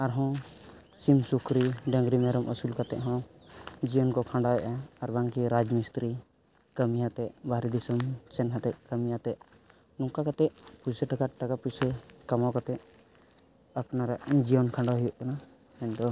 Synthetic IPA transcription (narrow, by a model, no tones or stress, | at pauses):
aɾɦɔ̃ | simsukʰɾiɖə̃ŋɡɾimɛɾɔmʔəsulkat̪ɛʔɦɔ̃d͡ʒijɔnkɔkʰãɳɖawɛʔaːɾbaŋkiɾad͡ʒmist̪ɾi | kəmijat̪ɛʔbaɦɾid̪isəmt͡ʃɛnɦãt̪ɛʔ̚kəmijat̪ɛʔ | nɔ̃ŋkakat̪ɛʔpusəʈakaʈakapusəkamakat̪ɛʔ̚ | apnaɾaʔd͡ʒijɔnkʰãɳɖɔɦujɔʔkana | ɛnd̪ɔ